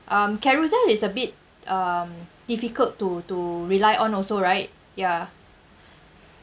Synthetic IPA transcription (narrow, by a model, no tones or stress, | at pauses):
ʔãmkɛɹuzɛlisəbit̚ | ʔamd̥ifikəltːutuɹilajʔɔ̃nɔsoɹaɪt̚ | ja